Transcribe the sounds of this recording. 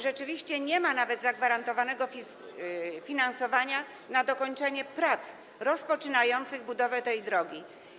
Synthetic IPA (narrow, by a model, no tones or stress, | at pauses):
ʐɛt͡ʂɘvʲiɕt͡ɕɛɲɛmanavɛd̪zaɡvaɾant̪ɔvanɛɡɔfʲ | fʲinansɔvaɲa | nad̪ɔkɔɲt͡ʂɛɲɛpɾat̪s | ɾɔspɔt͡ʂɘnajɔnt̪sɘɣbud̪ɔvɛt̪ɛjd̪ɾɔɡʲi